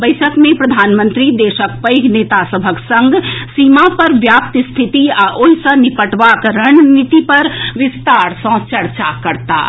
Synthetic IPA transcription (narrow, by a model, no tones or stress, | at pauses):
bəɪsʰəkmẽpɾɐd̪ʱaːnmə̃nt̪ɾid̪eːʃək̚pəjɡneːt̪asəbʱəksə̃ŋɡsiːmapɐɾʋjaːp̚t̪st̪ʰit̪iaːʔoɦisənipəʈʋaːkɾəñnit̪ipɐɾʋɪst̪aːɾsɔ̃t͡ʃəɾt͡ʃakəɾt̪a̰ː